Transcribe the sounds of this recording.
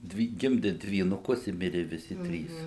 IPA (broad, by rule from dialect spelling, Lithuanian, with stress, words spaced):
ˈdʲʋʲɪ ˈɡʲɪmʲdʲɪ dʲʋʲiːnʊˈkʊs ɪ ˈmʲɪrʲɪ ʋʲɪˈsʲɪ ˈtʲrʲiːs